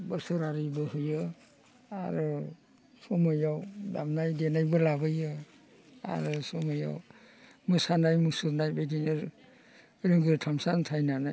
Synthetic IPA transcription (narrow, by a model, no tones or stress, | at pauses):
bəɾsɯɾaɾibɯhɯjɯ | a̰ɾɯ | sɔmɯjawda̰mnajdenajbɯlabɯjɯ | a̰ɾɯsɔmɯja̰w | mɯsanajmusuɾnajbedinɯɾ | ɾiŋɡɯɾtʰamsantʰajnanaj